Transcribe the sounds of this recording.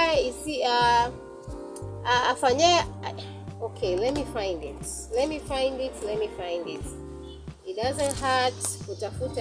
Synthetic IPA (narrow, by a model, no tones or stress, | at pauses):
isia | aafaɲɛ | okʰelɛt̚mifãɪ̃ndɪt | lɛt̚mifãɪ̃ndɪtlɛt̚mifãɪ̃ndɪt | it̚dazɨ̃ntɦatkutafut